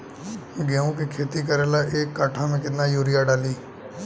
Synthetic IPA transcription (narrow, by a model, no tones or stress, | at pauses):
ɡɛːõkikʰeːt̪ik̬əɾeːlaʔeːkːaːʈʰamẽkɪt̪najuːɾɪjaɖaːliː